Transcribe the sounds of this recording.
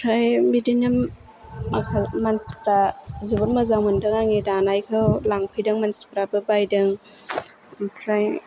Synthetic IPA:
pʰɾajbidinɯmː | akʰalmanspɾazubɔɾmɯzawmɯndɯŋaŋidanajkʰɯwlaŋpʰɯjdɯŋmanspɾabɯbajdɯŋ | pʰɾaj

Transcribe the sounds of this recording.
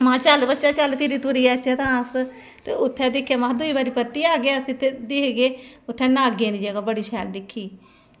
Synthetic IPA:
mãːt͡ʃəlbətːʃãːt͡ʃəlpʰɪɾiːt̪ʊɾiːaːt͡ʃɛːt̪ãːs | t̪eːʊt̪ʰːɛ̃ːd̪ɪkʰːjaːmãːd̪ʊiːbaːɾiːpət̪ːiːaːɡeaːəsĩːt̪ʰːed̪ɪːkɡeːʊt̪ʰːɛ̃ːnãːɡẽːnd̪iːd͡ʒəɡaːbəɽiːʃʰɛːld̪ɪkʰːiː

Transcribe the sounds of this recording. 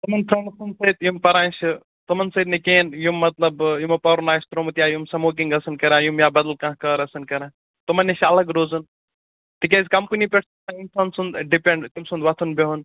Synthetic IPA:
t̪umɐnt̪ʰɐnɐsunsɐit̪jumpɐɾãːʃʰi | t̪ɨmɐnsɐd̪̚nikeːnjumːɐt̪lɐbjumɐpɐɾnaːjst̪ɾoːmɐt̪jaːjumsɐmoːk̬iŋɡɐsɨnkɐɾãːjumjabɐd̪ɐlkãːɦkɐɾɐsɨnkɐɾãː | t̪umɐnːiʃʰɐlɐɡɾoːzɐn | t̪ik̬eːzʲkɐmpunipʲeʈʰt̪sãjinsansund̪ɖipẽɳɖt̪umsund̪ʋɐt̪ʰunbeɦun

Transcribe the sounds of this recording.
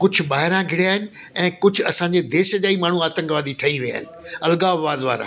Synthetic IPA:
kʊd͡ʑʱʊ̆ɓaːɦɪɾãɡʱɪɽijaːɦɪnɪ̆ | ɛ̃ːkʊd͡ʑʱʊɐsãːɲd͡ʑed̪eːʃəʄaːimaːɳ̤uaːt̪ə̃ŋɡʋaːd̪iʈʰɐiʋija̰ːɦɪnɪ̆ɐlɡaːbaːd̪ʋa̰ːɾã̰

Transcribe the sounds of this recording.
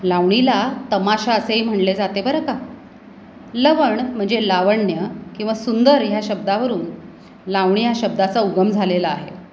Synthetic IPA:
laʋɳilat̪əmaɕaəseɦim̤əɳled͡zat̪ebəɾəka | ləʋəɳm̤əɳd͡zelaʋəɳjəkĩw̃ʋasund̪əɾjaɕəb̚d̪aʋəɾuːn | laʋɳijaɕəb̚d̪at͡sauɡəmd͡zʱalelaːɦe

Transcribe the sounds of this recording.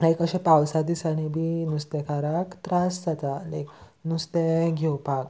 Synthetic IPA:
lajkəɕẽpawsad̪iːsaɽ̃ibinust̪ekaɾakt̪ɾasd͡zat̪alak | nust̪eɡʱɛwpak

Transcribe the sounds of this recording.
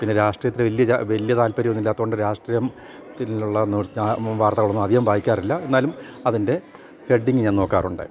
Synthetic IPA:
pinːeɾaːʂʈrijɐt̪ːiɾeʋɐlːijɐʋɐlijɐt̪aːlpɐɾijonːilːaːt̪ːuɣoɳɖɨɾaːʂʈrijɐm | t̪ːinluɭːɐnːuʋaːrt̪ɐɣuɭːonːɐd̪ʱihɐmbʱaːjikʲːaːrilːɐe̞nːaːlumɐðinde̞ | heɖːiŋɡɨɲaːnno̞ːkːaːruɳɖɨ̰

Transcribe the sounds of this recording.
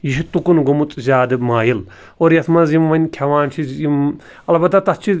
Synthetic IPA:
jiʃit̪ukunɡomut͡sʼzʲaːd̪ɨmaːjil | oːɾjɐsʰmɐzimʋɐnʲkʲʰɐʋaːnt͡ʃʰiim | ɐlbɐt̪ːat̪ɐst͡ʃʰi

